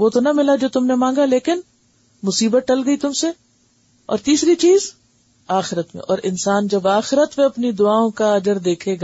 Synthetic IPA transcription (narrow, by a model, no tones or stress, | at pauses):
ʋoːt̪onɐmɪlad͡ʒoːt̪ʊmnemãːŋ̆ɡaleːkɪn | mʊsiːbət̪̚ʈɐlɡɐit̪ʊmse | ɔ̰ːɾt̪iːsɾit͡ʃiːz | aːxɪɾət̪mḛ̃ʔɔːɾɪnsaːnd͡ʒɐbaːxɪɾət̪mẽɐpnid̪ʊaːõkaɐd͡ʒəɾd̪eːkʰeːɡaː